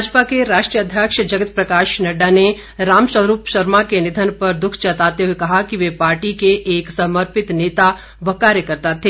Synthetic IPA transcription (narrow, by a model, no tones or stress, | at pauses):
ad͡ʒpakeɾaːʃʈɾijəd̪ʱjəkʃd͡ʒɐɡət̪̚pɾɐkaːʃnɐɖane | ɾaːmsəɾuːpʃɐɾmakenɪd̪ʱənpɐɾd̪ʊkʰt͡ʃɐt̪aːt̪eɦuekɐɦakiʋepaːɾʈikeʔeːksɐməɾpɪt̪neːt̪a | ʋɐkaːɾjəkəɾt̪at̪ʰːeː